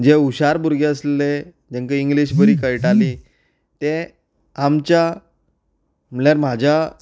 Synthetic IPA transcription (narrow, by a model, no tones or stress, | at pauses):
d͡ʑeuɕaɾbuɾɡeəslele | d͡ʑeŋkəiŋɡliɕbəɾiːkəjʈali | t̪e | amt͡ɕja | m̤əɭjaɾm̤ad͡ʑʱa